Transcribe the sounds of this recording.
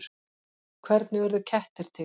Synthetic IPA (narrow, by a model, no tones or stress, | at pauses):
kʰvɛɾt̪nɪvɛɾðʏcʰɛht̪ɪɾ̥t̪ʰɪ